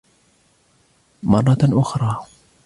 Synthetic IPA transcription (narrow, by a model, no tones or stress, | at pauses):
mɑrˤːɑʔʊxɾˤɑː